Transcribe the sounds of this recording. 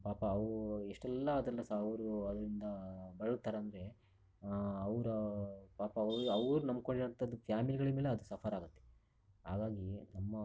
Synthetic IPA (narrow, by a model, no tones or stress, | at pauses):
paːpɐːʋɾueʂʈɛlːɐːd̪ɛlːɐsaɐʋɾuɐd̪ɐɾind̪ɐbɐɭɐt̪ːaːɾeɐnd̪ɐɾe̞ | ɐʋɾɐpaːpɐʋɾɐʋɾunɐmkoɳɖiɾɐnt̪ɐd̪ːufʰjaːmiliɡɐɭɐmeːleɐd̪usɐpʰɐɾaːɡut̪ːe̥ | ɦa̰ːɡaːɡinɐmːɐ